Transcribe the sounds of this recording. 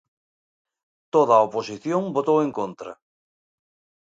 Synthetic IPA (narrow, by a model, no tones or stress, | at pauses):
t̪oðaoposiθjõŋbot̪oweŋkont̪ɾɐ̰